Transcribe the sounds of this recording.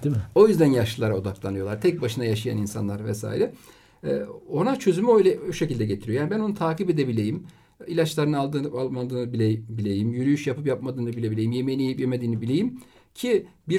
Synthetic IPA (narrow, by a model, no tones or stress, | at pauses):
o̞jyzd̪ænjaʃɯlˠaɾao̞d̪aklˠanɯjo̞lˠaɾt̪ʰɛc̚baʃɯnajaʃaja̰ninsa̰nlˠaɾvɛsa̰ːiɾɛ | o̞nat͡ʃʰø̞zymyo̞jlʲɛoʃecilʲd̪ɛɟet̪ʰiɾijojaːnibæno̞nut̪ʰaːkʰibe̞d̪e̞bilʲe̞jim | ilʲat͡ʃlˠaɾɯnɯalˠd̪ɯːalˠmad̪ɯːnɯbiebilʲejimjyɾyjyʃjapɯpjapmad̪ɯːnɯbilʲe̞bilʲejimje̞mejinejipjemed̪iːnɯbilʲe̞jim | cʰibiɾ